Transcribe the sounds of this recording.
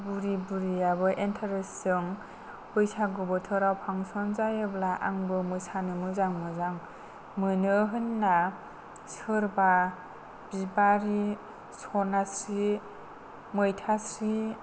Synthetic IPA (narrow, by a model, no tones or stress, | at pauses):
buɾibuɾijabɯʔentʰaɾesːɯŋ | bɯjsaɡɔbɯtʰɯɾawpʰaŋsɔnzajɯblaʔa̰ŋbɯmɯjsanɯmɯzaŋmɯzaŋ | mɯnɯɦɯnːa | sɯɾba | b̥ibaɾi | sɔnasɾi | mɯjtʰasɾi